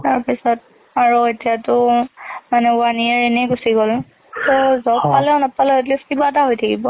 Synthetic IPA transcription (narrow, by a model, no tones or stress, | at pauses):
taɹpisɔt̚ | aɹuetijatʊmanɛʊaniaɹenɛɡusiɡɔl | tɔzɔppalɛnɔpːalɛet̬liskibat̬aɦojtʰakibɔ